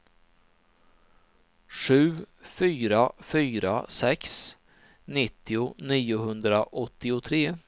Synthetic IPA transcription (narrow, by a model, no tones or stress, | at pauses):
ʂʉ̟ː | fyːɾafyːɾa̰sɛks | nɪt̪ːɪʊniːʊɦɵnd̪ɾaʔɔt̪ːɪʊt̪ʰɾeː